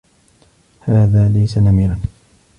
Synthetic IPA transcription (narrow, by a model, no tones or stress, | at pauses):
haːðaːlajsanamiːɾan